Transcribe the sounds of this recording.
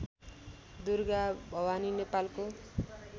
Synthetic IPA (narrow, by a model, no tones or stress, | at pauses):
d̪urɡabʱʌwaninepalko